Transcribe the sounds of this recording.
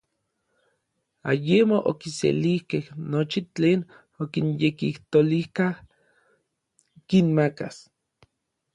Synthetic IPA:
ajemoʔokisḛlihkehnot͡ʃit͡ɬeːn | okinjekiht̪olihkah | kinmakas

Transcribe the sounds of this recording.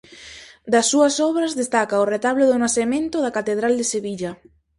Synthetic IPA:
d̪asːuasɔβɾazðest̪akaoret̪aβloðonaθemẽnt̪oðakat̪eðɾald̪eseβiʎa

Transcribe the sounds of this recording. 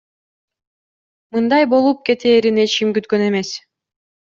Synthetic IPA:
mɯnd̪ɑjbo̞lˠup̚ke̞t̪eːɾinet͡ʃimɡyt̪køne̞me̞s

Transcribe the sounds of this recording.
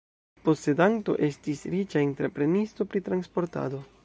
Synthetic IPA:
po̞se̞danto̞̰ʔe̞stisɾit͡ʃainteɾepɾe̞nisto̞pɾitɾanspo̞ɾta̰do̞

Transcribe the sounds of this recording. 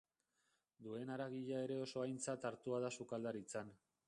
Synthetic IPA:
d̪ue̞naɾaɣiʎae̞ɾe̞o̞so̞ajnt͡sat̪aɾt̪uaðasukald̪aɾit͡san

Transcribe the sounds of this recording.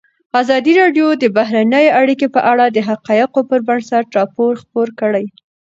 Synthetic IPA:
azɑd̪iɾɑɖjod̪əbaɦɾanəjeaɽikepəʔaɽad̪əɦaqɑjɪqopəɾbaɳɖsaʈɾɑpoɾxpoɾkəɽaj

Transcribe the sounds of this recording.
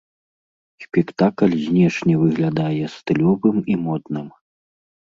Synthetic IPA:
sʲpʲɛkt̪aklʲzʲnʲɛʂnʲɛvɨɣlʲad̪ajɛst̪ɨlʲɔvɨmimɔd̪nɨm

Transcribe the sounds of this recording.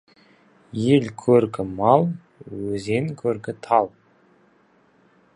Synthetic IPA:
jelkʲʰɵɾkʰʲɪmɑlˠ | wɵzeŋkʲʰɵɾkʲɪt̪ʰɑlˠ

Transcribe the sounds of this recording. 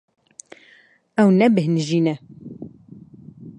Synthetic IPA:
æwnæbəhnʒinæ

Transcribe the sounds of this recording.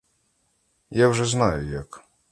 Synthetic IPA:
javʐɛznajɛjak

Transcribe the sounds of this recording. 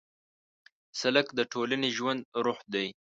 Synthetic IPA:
salakd̪əʈʰolaneʒwand̪̚ɾʊxd̪aj

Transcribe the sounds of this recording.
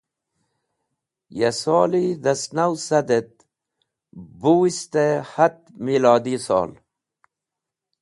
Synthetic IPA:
jesoːliðɐsnawsɐd̪et̪̚ | buwist̪ehat̪̚milɑːd̪isɑ̰ːl

